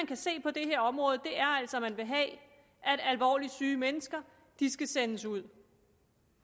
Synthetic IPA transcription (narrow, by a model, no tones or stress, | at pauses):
ænkʰæse̝̰ːpʰɒ̽d̥e̝ɦe̝ɐ̰ɒ̽mʁɔ̽ːð̞̩ˠd̥e̝ʔæɐæl̰sɒ̽mænʋe̝ɦɛ̰ | ʔæd̥ælʋɒ̰ːlid̥syːmenəsɡ̥ɐ | d̥isɡ̥æsenəsuð̞̰ˠ